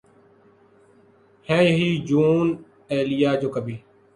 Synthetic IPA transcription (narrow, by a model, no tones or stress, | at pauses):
hɛ̃ːjəɦiːd͡ʒuːn | eːlɪjaːd͡ʒoːkəbʱiː